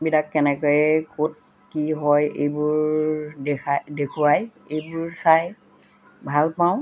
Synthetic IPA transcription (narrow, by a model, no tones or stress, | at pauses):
bilakːɛnɛkɔjɛkot̚ | kiɦɔjḛjbʊɹdɛkadekʰuɹaj | ejbʊɹsaj | bʱalpaʊ̃